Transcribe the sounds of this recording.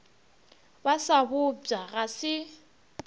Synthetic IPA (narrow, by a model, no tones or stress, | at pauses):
basabʊb͡ʐaɣasɪ